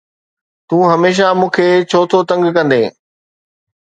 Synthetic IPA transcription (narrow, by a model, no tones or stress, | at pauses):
t̪ũːɦɐmeːʃ̬amũːkʰeːt͡ɕʰoːt̪ʰot̪ɐ̃ŋɡkɐ̃nd̪ẽː